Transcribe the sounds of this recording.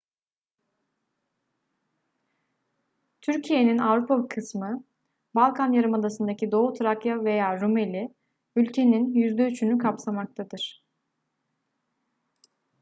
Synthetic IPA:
t̪ʰyɾcʰije̞ninavɾupʰakʰɯsmɯ | balˠkʰanjaɾɯmad̪asɯnd̪acʰid̪o̞ːut̪ʰɾakjave̞jaːɾume̞lʲi | ylʲcʰe̞ninjyzd̪eyt͡ʃʰynykʰapsamak̚t̪ʰad̪ɯɾ̥

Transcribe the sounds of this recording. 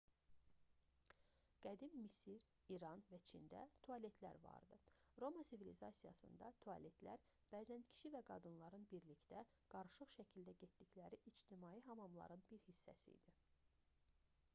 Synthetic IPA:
ɡ̥æd̪imːisiɾ | iɾɑnvæt͡ʃʰind̪æ̰t̪ʰoɑle̞t̪ʰlæ̰ɾvɑ̰ɾd̪ɯɾo̞mɑsivilizɑsijɑ̰sɯ̰nd̪ɑt̪ʰoɑ̰le̞t̪ʰlæɾ | b̥æːzæncʰi̥ʃivæɡɑ̰d̪ɯnlˠɑɾɯnbiɾlicd̪æ | ɡ̥ɑɾɯʃɯχʃæcʰild̪æɟet̪d̪iclæɾiʔid͡ʒt̪ʰimɑjiɦɑmɑmlˠɑ̰ɾɯnbiɾhisːæ̰sḭd̪i

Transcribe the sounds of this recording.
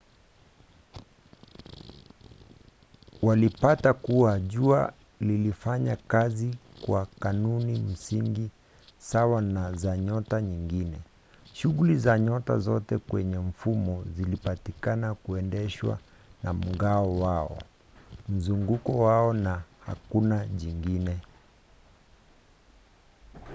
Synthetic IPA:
walipatakuaʄua | lilifaɲakazikwakanunim̩siŋɡi | sawanazaɲɔtaɲiŋɡinɛ | ʃuɣulizaɲɔta̰zɔtɛkwɛɲɛm̩fumɔzilipatikanakuɛndɛʃwa̰ | na̰m̩ɡaɔwaɔ̰ | m̩zuŋɡukɔwaɔnaha̰kunaʄiŋɡinɛ

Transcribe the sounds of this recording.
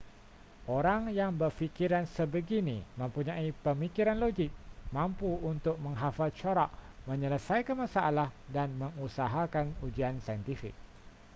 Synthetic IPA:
ʔoɾaŋjaŋbərfikiɾansəbəɡinimə̃mpuɲaipəmikiɾanloɡɪk̚mampuunt̪ʊk̚məŋɦafat͡ʃoɾaʔ̚məɲələsaikənmasaʔalahdanməŋusaɦakanud͡ʒiansajənt̪ifḭk̚

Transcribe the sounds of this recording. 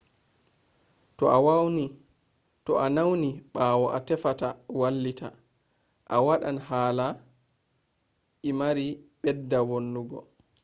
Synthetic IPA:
tɔ̰ʔawawni | tɔʔanawniɓaːwɔʔatɛfatawalːita̰ | ʔawaɗanɦaːla | ʔimaɾiɓɛdːawonːuɡɔ̰

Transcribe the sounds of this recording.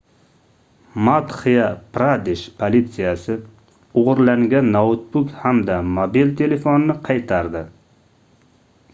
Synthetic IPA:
mat̪χijɑpɾad̪ɪʃpʰolʲit̪sɨjasɪ | oʁʊɾlaŋɡʲanːaʊt̪̚bʊkhamd̪amobilt̪ʰelefonnːɪqʰɑjt̪ʰɑɾd̪ɪ

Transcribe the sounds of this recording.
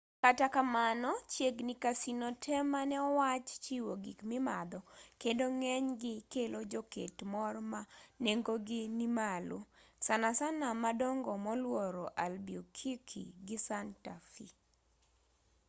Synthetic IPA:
katakamanɔt͡ʃjeɡnɪkasinɔtʰɛmanɛɔwat͡ʃt͡ʃiwoɡḭkmɪmad̪ɔkedoŋɛɲɡɪkelod͡ʒoketmɔrmaneŋɡoɡɪnimalosanasanamadɔŋɡɔmɔlwɔɾoʔalbiɔkʰikʰḭɡɪsantafḭ

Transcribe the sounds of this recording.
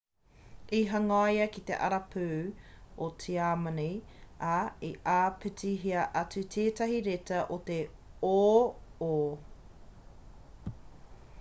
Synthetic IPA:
iɦɐŋɐjɐkit̪ḛʔɐ̰ɾɐpʰʉ | ot͡sʰiaːmɐnejaiʔaːpʰytiɦiɐʔɐt͡sʉt̪ʰeːtɐɦiɾetɐʔot̪e | oːoː

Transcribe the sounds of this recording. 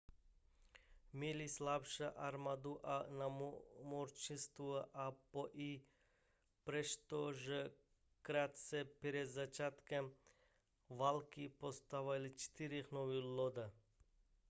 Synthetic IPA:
milislapʃaʔaɾmad̪uʔanamoɾt͡ʃinst̪uʔapoʔi | pɾɛʃt̪oʒɛ | kɾat̪sɛpɾed̪zat͡ʃat̪kɛm | ʋalkipost̪aʋalit͡ʃt̪iɾixnoʋilod̪a

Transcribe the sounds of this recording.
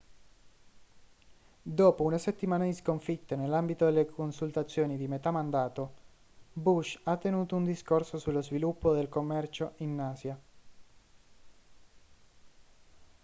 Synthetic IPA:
d̪oːpounaset̪ːimaːnad̪iskoɱfit̪ːenelːambit̪od̪elːekʰonsult̪at̪sːjoːnid̪imet̪amand̪aːt̪o | buʃat̪ːenuːt̪ound̪iskorsosulːozvilupːod̪elkomːɛrt͡ʃoinːaːsja

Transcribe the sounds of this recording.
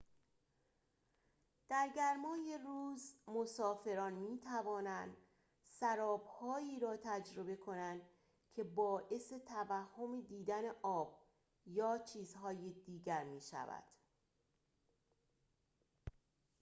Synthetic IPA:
d̪̥æɾɟæɾmɒːjeruːzmosɒːfe̞ɾɒːnmiːt̪ʰævɒːnænd̪ | sæɾɒːb̥hɒːiːɾɒːt̪ʰæd͡ʒɾo̞be̞kʰo̞nænd̪̥ | cʰe̞bɒːʔe̞se̞t̪ʰævæhːo̞med̪iːd̪æne̞ʔɒːb̥̚ | jɒːt͡ʃʰiːzɦɒːjed̪iːɟæɾmiːʃæ̰væ̰d̪̥

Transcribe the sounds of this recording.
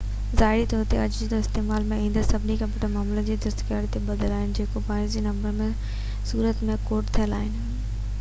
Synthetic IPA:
zaːɪɾit̪ɔːɾt̪eɐd͡ʑd͡ʑid̪oɪst̪eːmaːlmẽĩːnd̪əsɐbʱɪnikɐbɪʈəmaːmləd͡ʑiːd̪ɐst̪kaːɽit̪ebɐd̪əlaːɦɪnɪ̆d͡ʑeːkobaːɪzd͡ʑenɐ̃mbəɾmẽ | suːɾət̪mẽkoːʈt̪ʰijəla̰ːɦɪnɪ̆

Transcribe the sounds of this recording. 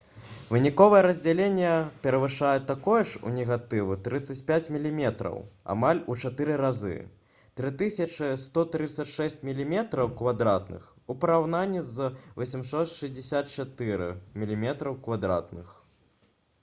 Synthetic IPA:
vɨnʲikɔvɐjɛɾɐzʲd͡zʲalʲenʲːɛpʲɛɾɐvɨʂajɛt̪akɔjɛʂṵnʲɛɣat̪ɨvɨt̪ɾɨt̪sɐt͡sʲpʲat͡sʲmʲilʲimʲɛt̪ɾɐ̰wa̰malʲut͡ʂat̪ɨɾɨɾazɨ̰ | t̪ɾɨt̪ɨsʲɐt͡ʂɨst̪ɔt̪ɾɨt̪sːɐt͡sʲʂɛsʲt͡sʲmʲilʲimʲɛt̪ɾɐwkvad̪ɾat̪̚nɨ̰x | upɐɾawnanʲːizvɔsʲimsɔt̪ʂɨzʲdʲd͡zʲɪsʲat̪t͡ʂat̪ɨɾɨ̰mʲilʲimʲɛt̪ɾɐwkvad̪ɾa̰t̪nɨ̰x

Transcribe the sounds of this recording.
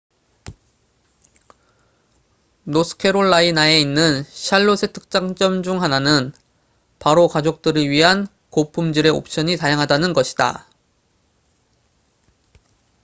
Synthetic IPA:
nosʰɯ̥kʰe̞ɾoɭːainae̞inːɯnɕʰaɭːosʰe̞tʰɯ̥k̚t͡ɕ͈aŋt͡ɕ͈ʌmd͡ʑuŋɦananɯn | paɾokad͡ʑok̚t͈ɯɾɯɭɥiɦan | kopʰumd͡ʑɯɾe̞o̰p̚ɕ͈ʌɲitajaŋɦadanɯnɡʌɕʰida̰

